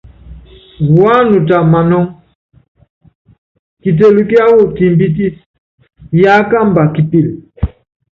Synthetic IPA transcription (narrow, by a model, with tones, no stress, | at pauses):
wa˦nu˨t̬a˨ma˨nɔ˦ŋ | ki˨t̬e˨lu˨ki˦a˦wo˦˨ti˨mbi˦ti˦s | ja˦ka˦mba˨ki˨pi˦˨l